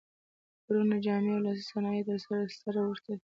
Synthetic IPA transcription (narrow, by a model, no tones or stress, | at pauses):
pɾunad͡ʒɑmewlɑsi̥sanɑjed̪əɾsaɾassaɾawʊɾt̪a